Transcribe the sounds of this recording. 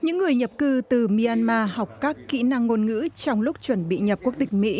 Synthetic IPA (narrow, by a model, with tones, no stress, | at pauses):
ɲɨ̰˧˥ŋːɨ˨˩əjɲə˨˩p̚kɨ˧t̪ɨ˨˩mi˧aː˧nmaː˧ha˨˩wk͡p̚kaː˦˥kːḭ˧˥na˧ŋːo˧nŋɨ̰˧˥t͡ɕɔ˧wŋ͡mlʊ˦˥k͡p̚t͡ɕwə˧˩nɓḭ˧˨ɲə˨˩p̚ku˦˥ək̚t̪ï˨˩ŋ̟̚mḭ˧˥